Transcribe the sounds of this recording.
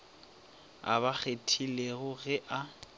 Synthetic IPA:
a̰βak͡xetʰileɣʊɣɛʔa

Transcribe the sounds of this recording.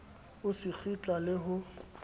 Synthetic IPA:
ʊsɪk͡xʰit͡ɬʼalɪɦʊ

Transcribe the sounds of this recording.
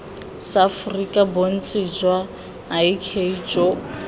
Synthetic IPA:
safʊrikʼabon̩t͡sʼɪd͡ʒwaː | ikʰeid͡ʒo

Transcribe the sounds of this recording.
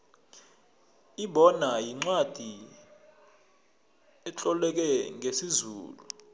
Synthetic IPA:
iɓɔnajiŋ͡ǀwad̥ʱi | ɛt͡ɬʼɔlɛk̬ɛŋesizṵːlu

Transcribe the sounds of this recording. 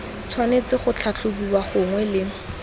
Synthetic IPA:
t͡sʰwanet͡sɪχʊt͡ɬʰat͡ɬʰʊbubaχʊŋwɛlɪ

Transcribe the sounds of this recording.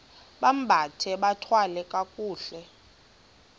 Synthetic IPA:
ɓam̩bʱatʰɛɓatʰwalɛkʼakʼuːɬɛ

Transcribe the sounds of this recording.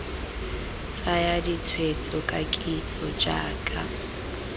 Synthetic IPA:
t͡sʼajadit͡sʰwet͡sʼɔkʼakʼit͡sʼɔd͡ʒa̰ːkʼa

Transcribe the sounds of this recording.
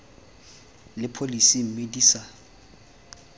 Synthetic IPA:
lɪpʰolisim̩mediːsa

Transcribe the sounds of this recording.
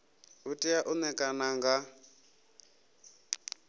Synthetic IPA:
utʼijaʔunɛkʼanaŋɡa

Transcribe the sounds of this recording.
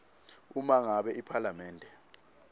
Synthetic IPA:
umaŋaɓɛipʰalamɛːndʱɛ

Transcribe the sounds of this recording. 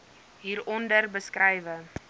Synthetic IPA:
ɦiːɾɔndərbəskrɛjvə

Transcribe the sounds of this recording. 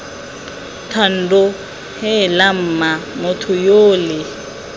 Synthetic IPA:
tʰan̩dʊ | hɛlam̩ːmamʊtʰʊjoːlɪ

